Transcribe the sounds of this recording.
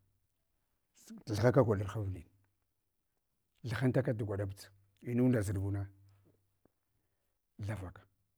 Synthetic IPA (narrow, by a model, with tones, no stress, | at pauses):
tɬa˨xa˦ka˦ɡʷa˨la˦ɾxa˦vni˨n | ɮa˨xa˦nta˦ka˦du˨ɡʷa˨ɗa˦bə˦˨t͡s | i˦nu˦nda˨zi˨dbu˦na˦ | ɮa˦va˨kḁ˨